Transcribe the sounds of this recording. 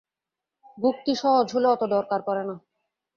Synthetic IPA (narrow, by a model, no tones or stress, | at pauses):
bʱuk̚t̪iʃɔɦod͡ʑɦoloɔt̪od̪ɔɾkaɾkɔɾena